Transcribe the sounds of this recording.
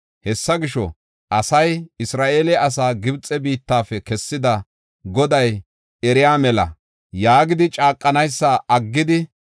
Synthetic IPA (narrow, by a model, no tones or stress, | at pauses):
hɛsːɐɡɪʃɔ̰ | ʔɐsɐjɪsɾaːʔeːlɛɐs̬aːɡɪbt͡sʼɛbiːt̪ːaːfɛkɛsːɪd̪ɐ | ɡɔd̪ɐj | ɛɾɪjaːmɛlɐ̰ | jaːɡɪd̪ɪt͡ʃʼaːkʼːɐnɐjsːaʔɐɡːɪd̪ɪ